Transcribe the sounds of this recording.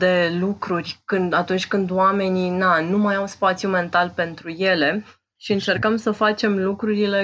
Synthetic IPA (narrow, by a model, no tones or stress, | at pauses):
d̪e̞lukɾurʲkɨnd̪at̪unt͡ʃʲkɨnd̪wame̞ninanumajawspat̪sjume̞nt̪alpe̞nt̪ɾuje̞le̞ | ʃiɨnt͡ʃe̞rkəmsəfat͡ʃe̞mlukɾuɾile̞